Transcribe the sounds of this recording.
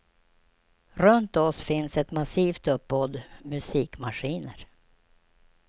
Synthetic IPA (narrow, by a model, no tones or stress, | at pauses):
ɾɵnt̪ɔsfɪnsɛt̪masiːft̪ɵpːɔd̪mɵsiːkmaʂiːnəɾ